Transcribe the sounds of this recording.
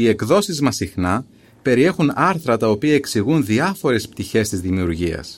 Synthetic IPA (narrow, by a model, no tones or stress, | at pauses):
ie̞kðo̞sizmɐsixnɐ | pe̞ɾie̞xunɐɾθɾɐt̪ɐo̞piɐeksiɣunðiɐfo̞ɾe̞sp̚t̪içe̞st̪izðimiuɾʝiɐ̰s